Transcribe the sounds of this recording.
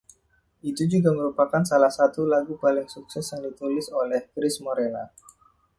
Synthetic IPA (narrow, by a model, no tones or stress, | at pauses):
ʔit̪ud͡ʒuɡaməɾupakansalahsat̪ulaɡupalɪŋsuk̚sɛsjaŋdit̪ulɪsolɛhkɾɪsmoɾela̰